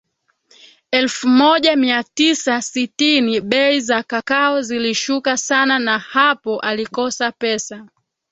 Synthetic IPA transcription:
ɛlfumɔʄamiatisasitiniɓɛizakakaɔziliʃukasananahapɔʔalikɔsapɛsa

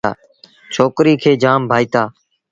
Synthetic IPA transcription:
a̰ː | t͡ʃʰoːkɾiːkʰeːd͡ʒaːmbʱaːiːt̪aː

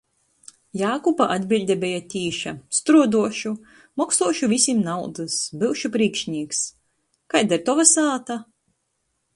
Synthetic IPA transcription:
jaːkupaʔad̪bʲilʲd̪ʲɛbʲɛjat̪ʲiːʃast̪ɾuɔd̪uɔʃu | mɔksuɔʃuvʲisʲimnawd̪ɨsbɨwʃupɾiːkʃɲʲiːks | kajd̪ɛɾt̪ɔvasaːt̪a

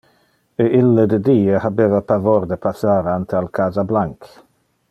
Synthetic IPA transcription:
eʔilːəd̪əd̪iːəhabeːvapavoɾd̪əpʰasaːɾant̪ealkʰaːzablaŋk

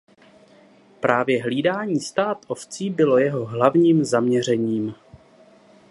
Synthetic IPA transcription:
pɾaːvjɛɦliːdaːɲiːst̪aːt̪ʔoft͡siːbɪlo̞jɛɦo̞ɦlavɲiːmzamɲɛr̝ɛɲiːm

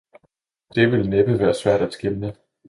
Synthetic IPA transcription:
d̥e̝ʋe̝lneb̥əʋæːɐsʋæɐ̰d̥æd̥sɡ̥elnə

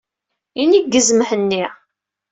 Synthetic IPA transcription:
iniɡːəzməħənːi

